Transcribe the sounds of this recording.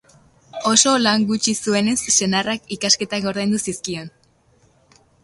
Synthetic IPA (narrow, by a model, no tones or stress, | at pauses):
o̞so̞laŋɡut͡ʃisue̞ne̞sːe̞narakikaske̞t̪aɣo̞ɾðajnd̪usiskio̞n